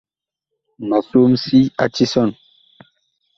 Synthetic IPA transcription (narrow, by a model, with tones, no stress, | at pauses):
ma˨so˦msi˦a˦ti˦sɔ˦˨n